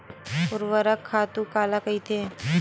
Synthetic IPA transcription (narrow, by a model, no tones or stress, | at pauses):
pʊɾʋəɾəkʰːaːt̪ũkaːlakɐit̪ʰeː